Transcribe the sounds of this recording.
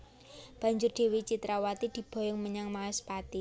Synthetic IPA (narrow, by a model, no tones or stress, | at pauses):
b̥a̤ɲd͡ʒʊrɖ̥e̤wit͡ʃit̪ɾawat̪id̪̥i̤b̥ɔ̤jɔŋməɲaŋmaɛspat̪i